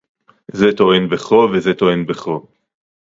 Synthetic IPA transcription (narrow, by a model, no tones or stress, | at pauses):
zet̪oenbeχovezet̪oenbeχo